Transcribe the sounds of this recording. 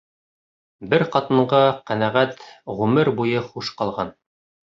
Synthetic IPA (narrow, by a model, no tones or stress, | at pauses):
bɘɾqɑt̪ɤ̆ɴɢɑqænæʁæt̪ʁʉmɘɾbujɤχuʃqɑlˠʁɑn